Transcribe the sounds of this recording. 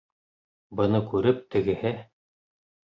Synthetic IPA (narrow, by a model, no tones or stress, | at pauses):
bɤ̆nɤkʉɾɘp̚t̪ɘ̆ɡɘ̆hɘ